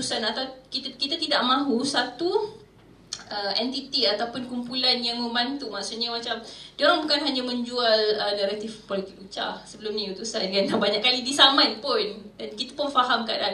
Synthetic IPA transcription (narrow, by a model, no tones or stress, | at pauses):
ut̪usanat̪awkit̪kit̪at̪idaʔmãɦusat̪u | ʔəɛnt̪it̪iat̪awpʊnkumpulanjaŋməmbant̪umaʔsuʔɲamat͡ʃamdioɾaŋbukanɦaɲamə̃ɲd͡ʒualənaɾat̪ifpɔlit̪ɪk̚ut͡ʃa̰səbəlʊmnĩut̪usandəŋanlabaɲaʔkːalidisamãnpʊndankit̪ḁpʊnfaɦamkaʔda